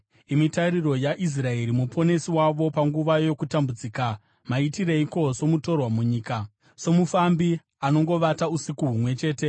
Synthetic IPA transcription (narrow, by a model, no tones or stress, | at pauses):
imitaɾiro̞jaʔis̬rae̞ɾimupʰo̞ne̞siwaʋo̞paŋɡuʋajo̞kutambud͡ziːka | maitiɾeiko̞so̞muto̞rwamuɲiːka | so̞mufambi | ano̞ŋɡo̞ʋatausikuɦumwe̞t͡ʃe̞ːte̞